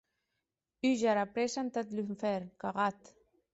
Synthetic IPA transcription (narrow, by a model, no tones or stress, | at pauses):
yʒaɾapɾesant̪at̪lyɱfɛɾkaɣat̪